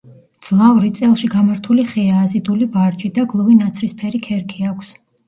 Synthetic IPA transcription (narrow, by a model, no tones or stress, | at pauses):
d̪z̥lˠavɾit̪sʼɛlˠʃiɡamaɾt̪ʰuliχɛaːzid̪ulibaɾd͡ʒid̪aɡlˠɔvinat̪sʰɾispʰɛɾikʰɛɾkʰiakʰs